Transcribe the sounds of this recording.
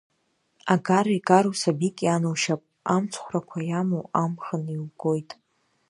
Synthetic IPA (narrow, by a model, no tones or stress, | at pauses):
aɡarikʼaɾusabikʼjanuwʃapʼ | amt͡sʷʰχʷrakʷʰajamoamχənilɡo̞jtʼ